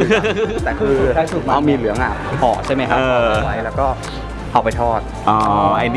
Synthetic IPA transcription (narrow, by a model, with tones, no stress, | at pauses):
t̪ɛː˨˩kkʰɯː˧a˧˩su˨˩k̚a˦˥˩miː˧lɯ˩˦əŋʔa˨˩pʰɔ̰ː˨˩t͡ɕʰa˥˩jma˦˥jkʔʰaː˦˧a˧a˧wa˦˥jlɛː˦˥wkɔː˥˩ | hʰa˨˩wpa˧jt̪ʰɔː˥˩t̪̚ | ʔɔː˧˦˧ʔa˧n